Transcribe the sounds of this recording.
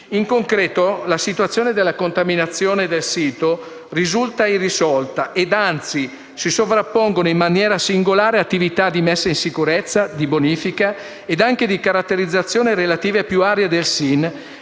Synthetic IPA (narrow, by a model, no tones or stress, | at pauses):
iŋkoŋkɾɛːt̪olasit̪uat̪sːjoːned̪elːakont̪aminat̪sːjoːned̪elsiːt̪o | rizult̪airːisɔlt̪aʔed̪ant̪si | sisovɾapːoŋɡonoimmanjɛːɾasiŋɡolaːɾeat̪ːivit̪ad̪imɛsːainsikuɾet̪sːad̪iboniːfika | ed̪aŋk̟ed̪ikaɾat̪ːeɾid̪zːat̪sːjoːniɾelat̪iːvepjuaːɾjad̪elsin